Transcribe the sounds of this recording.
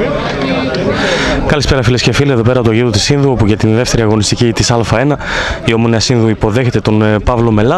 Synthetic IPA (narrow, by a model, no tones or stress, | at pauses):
kɐlispe̞ɾɐfilescefilieðo̞pe̞ɾɐot̪oɣit̪ot̪isinðuopucet̪inðe̞ft̪e̞ɾiɐɣo̞nist̪icit̪isɐlfɐe̞nɐ | iomoneɐsinðuipo̞ðe̞çe̞t̪e̞t̪o̞npɐvlo̞me̞lɐ